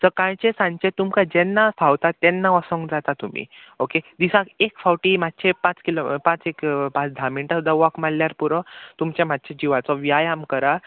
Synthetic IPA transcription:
səkãjt͡ɕesãɲt͡ɕet̪umkad͡ʑɛnːasʰawt̪at̪ːɛnːaɔsɔ̃ŋɡd͡zat̪at̪um̤ḭː | oked̪isãkekfʰawʈiːmad̪̚t͡ɕʰepãt͡skilopãt͡sekpãt͡sd̪ʱamiɳʈasud̪aʋɔkmalːjaɾpuɾɔt̪umt͡ɕemad̪̚t͡ɕʰed͡ʑiʋat͡sɔʋjajamkəɾa

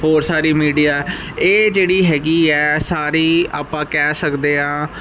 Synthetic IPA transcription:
ɦoːɾsaːɾiːmiːɖijaːɛ | eːd͡ʒeːɽiːɦɛːɡiːɛːsaːɾiːa̰ːpãːkɛːsəkd̪eːɦãː

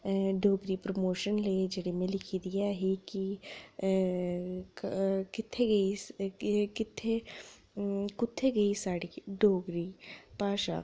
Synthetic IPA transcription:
ɖoːɡɾipɾomoːʃənleːd͡ʒɐɽemẽlɪkʰid̪ijaɦɛki | kɪt̪ʰːeɡɐiskɪt̪ʰːe | kʊt̪ʰːeɡɐisaːɽiɖʱoːɡɾipaːʃa̰ː

